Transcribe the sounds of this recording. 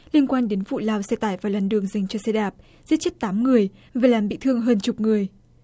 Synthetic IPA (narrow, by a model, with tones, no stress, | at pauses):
li˧ənkwaː˧nɗe˨˦nvṵ˧˨laː˨˧˩wsɛ˧t̪aː˧˩jvaː˨˩wlaː˨˩nɗɨ˨˩əŋza˨˩jŋ̟t͡ɕɔ˧sɛ˧ɗaː˨˩p̚ | zi˦˥t̚t͡ɕi˦˥t̚t̪aː˨˦mŋɨ˨˩əj | vaː˨˩laː˨˩mɓḭ˧˨t̪ʰɨ˧əŋɦəː˧nt͡ɕʊ˨˩k͡p̚ŋɨ˨˩əj